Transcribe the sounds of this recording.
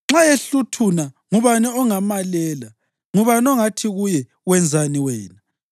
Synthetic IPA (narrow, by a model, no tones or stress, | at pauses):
ŋ͡ǁajeɬutʰuna | ŋuβanɛɔŋamalɛːla | ŋuβanɔŋatʰiɣujɛ | wɛnd͡zʱaniwɛːna